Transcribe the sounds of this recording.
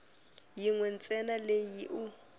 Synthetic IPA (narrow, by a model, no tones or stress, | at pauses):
jiŋwɛn̩t͡sʼɛnalejiʔʊ